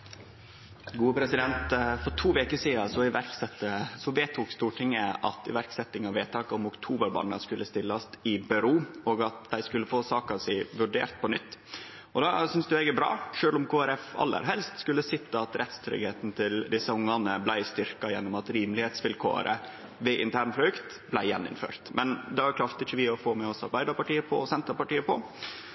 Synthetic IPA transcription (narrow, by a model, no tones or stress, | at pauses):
ɡuːəpʰɾɛsɪd̪ɛnt̪fɔʈʰuːʋeːkəʂiːɑsɔɪʋæɾksɛt̪ːəsɔʋeːt̪ʰuːkst̪uːʈʰɪŋːəʔɑ̰t̪ɪ̰ʋæɾksɛt̪ːɪŋɑʋʋeːt̪ʰːɑːkɔmʊkt̪ʰuːbəɾbɑ̰nːə̰skʉlːəst̪ɪlːɑst̪ɪbɪɾuːɔɡɑt̪̚d̪æɪskʉlːəfoːsɑːkɑʋsæɪʋʉɖḛːɾt̪̚pʰɔnʏt̪ː | ʔɔd̪ɑsʏnsd̪ʉɛːɡəbɾɑ̰ːʂøːlʊmkʰoːæɾɛfɑ̰lːə̰ɾɦɛlst̪skʉlːəsɪt̪ːɑɑt̪ɾɛt̪st̪ʰɾʏ̰ɡheːt̪n̩t̪ʰɪld̪ɪsəʊŋːɑnəblæɪst̪ʏɾkɑjɛnːʊmɑt̪ɾiːmlɪheːt̪sʋɪlkʰo̰ːɾə̰ | ʋɛʔɪ̰nt̪ʰæːɾɳpʰɾʊʉkt̪ | blæɪjɛnːɪ̰nfø̰ːɾt̪mɛnd̪ɛʋɑɾkʰɾɑft̪əɪçəʋɪɔfoːmɛɔsɑ̰ɾbæɪd̪əɾpɑʈiːəpʰɔ̰sɛnt̪ɾɑpɑʈiːəpɔ